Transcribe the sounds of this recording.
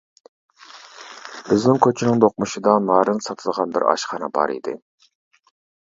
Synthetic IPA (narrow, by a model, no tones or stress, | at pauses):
b̥ɪznɪŋkʲʰøt͡ʃʰinɪŋd̪oq̚muʃɨd̪ɑnɑːɾɨnsɑt̪ʰɨlˠʁɑnbɪ̰ɾɑ̰ʃχɑnɑbɑ̰ɾḭd̪ɪ̰